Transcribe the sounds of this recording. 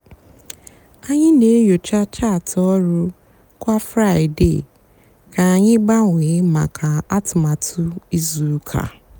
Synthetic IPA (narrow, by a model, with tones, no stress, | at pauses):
a˦ɲɪ˦ne˨˦jo˨t͡ʃa˦t͡ʃa˦˨tʰɔ˦ɾʊ˦ | kʷa˦fɾa˦˨ɪ˨dḛ˦˨ | ka˨a˨ɲɪ˦ɡ͡ba˦ŋʷe˨˦ma̰˨kʰa˨a˦tʊ˨ma˨tʰʊ˦i˦zu˨˦kʰa̰˨